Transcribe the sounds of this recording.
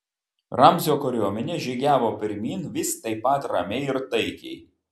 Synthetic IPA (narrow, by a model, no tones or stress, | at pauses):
ɾɐmʲzʲoːkɔɾʲoːmʲɛnʲɛʒʲiɡʲæːʋoːpʲɪɾʲmʲiːnʋʲɪsʲt̪ɐɪpːɐˑt̪ɾɐmʲɛɪɪɾt̪ɐɪkʲɛ̰ɪ